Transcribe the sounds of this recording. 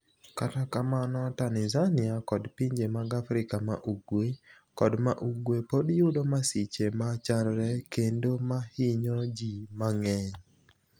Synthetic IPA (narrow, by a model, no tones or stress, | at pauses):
katakamanɔtanɪzanɪakɔdpiɲd͡ʒemaɡafɾɪkama̰ʔuɡwe | kɔdmaʔuɡwepodjudomasit͡ʃemat͡ʃanɾɛkendomahɪɲɔd͡ʒimaŋɛɲ